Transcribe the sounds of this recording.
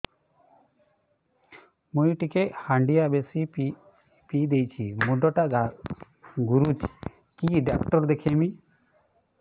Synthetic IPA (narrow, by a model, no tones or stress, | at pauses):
mujʈikehaɳɖijabesi | pid̪ejt͡ʃʰimuɖɔʈaɡa | ɡuɾut͡ʃʰi̥ | kiɖakʈɔɾd̪ekʰemi